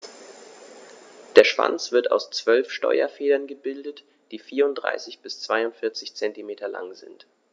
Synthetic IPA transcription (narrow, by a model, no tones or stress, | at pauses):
d̥eːɐʃv̥a̰nt͡sv̥ɪɐta̰ʊst͡sv̥œlfʃtɔ̰ʏɐfeːdɐnɡəbɪldət | d̥iːfiːɐʊntd̥ʁa̰ɪsɪçb̥ɪst͡sv̥aɪʊntfɪɐt͡sɪçt͡sɛntimeːtʰɐla̰ŋzɪ̰nt